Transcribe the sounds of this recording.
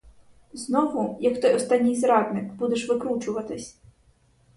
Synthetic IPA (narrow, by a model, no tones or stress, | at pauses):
znɔʋʊjɐkt̪ɔjɔst̪ɑnʲːijzɾɑd̪nɪkbud̪eʃʋɪkɾut͡ʃʊʋɐt̪ɪsʲ